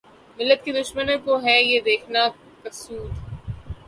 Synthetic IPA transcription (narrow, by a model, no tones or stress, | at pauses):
mɪlːət̪̚kid̪ʊʃmənõkoɦɛjed̪eːkʰna | kɐsuːd̪